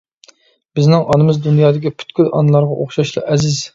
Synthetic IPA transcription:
b̥ɪznɪŋʔɑnɨmɨzd̪unjɑːd̪ɪkʲipʰy̥t̪kʲylɑ̰nɨlˠɑɾʁɑʔoχʃɑʃlˠɨ̰ʔɛzɪz

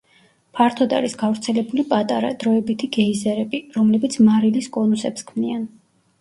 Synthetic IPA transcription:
pʰaɾt̪ʰɔd̪a̰ɾisɡavɾt̪sʰɛlɛbulipʼat̪ʼaɾa̰d̪̥ɾɔɛbit̪ʰiɡɛizɛɾɛbiɾɔmlɛbit̪sʰmaɾiliskʼɔnusɛpskʰmnian

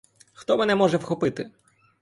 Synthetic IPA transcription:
xt̪ɔmɛnɛmɔʐɛwxɔpɪt̪ɪ

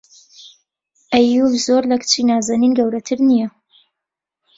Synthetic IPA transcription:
ʔɛjulzoːɾlɐkʰt͡ʃiːnaːzaːniːnɡɐwɾɐt̪ʰɨɾnijɛ

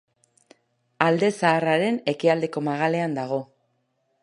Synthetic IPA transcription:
ald̪e̞saːraɾe̞ne̞kiald̪e̞ko̞maɣ̞ale̞and̪aɣ̞o̞

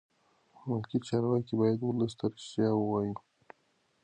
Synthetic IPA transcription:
mʊlkit͡ʃɑɾwɑkibɑjad̪wʊləst̪aɾɪʃt̪jɑwəwɑji

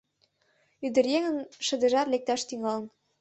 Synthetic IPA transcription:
yd̪ə̆rjeŋə̆nʃɤ̆d̪ə̆ʒɑrlek̚t̪æʃt̪yŋɑlə̆n

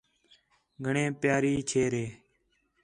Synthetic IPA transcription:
ɡʱəɳẽːpjaːɾiːt͡ʃʰeːɾeː

